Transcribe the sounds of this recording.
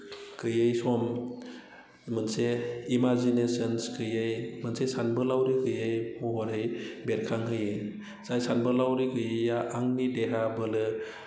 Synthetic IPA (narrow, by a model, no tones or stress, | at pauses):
kʰɯjɯjsɔm | mɯnseimazinesɯnskʰɯjɯjmɯnsesanbɯlawɾikʰɯjɯjhɔɦɔɾɯjbeɾkʰaŋɦɯj | z̥ajsanbɯlawɾikʰɯjɯjaʔaŋnideɦabɯlɯ